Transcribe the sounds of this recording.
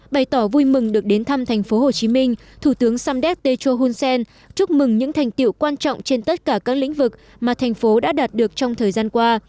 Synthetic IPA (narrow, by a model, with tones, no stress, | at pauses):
ɓa˨˩jt̪ɔ˧˩vu˧jmɨ˨˩ŋɗɨ˨˩ək̚ɗe˨˦nt̪ʰa˧mt̪ʰa˨˩jŋ̟fo˨˦ho˨˩t͡ɕi˨˦mï˧ŋ̟ | t̪ʰu˧˩t̪ɨ˨˦əŋsaː˧mɗɛ˦˥t̚t̪e˧t͡ɕo˧ɦu˧nsɛ˧n | t͡ɕu˦˥k͡p̚mɨ˨˩ŋɲɨ̰˧˥ŋt̪ʰa˨˩jŋ̟t̪ḭ˧˨wkwaː˧nt͡ɕɔ̰˧˨wŋ͡mt͡ɕe˧nt̪ə˦˥t̚kaː˧˩kaː˦˥k̚lḭ˧˥ŋ̟vɨ˨˩k̚ | maː˨˩t̪ʰɛ˨˩jŋ̟fo˨˦ɗa̰ː˧˥ɗaː˨˩t̚ɗɨ˨˩ək̚t͡ɕɔ˧wŋ͡mt̪ʰəː˨˩jzaː˧nkwaː˧